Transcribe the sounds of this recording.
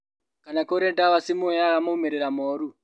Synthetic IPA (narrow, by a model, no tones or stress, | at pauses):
kanakoɾentawasimojakamoumeɾeɾamoːɾu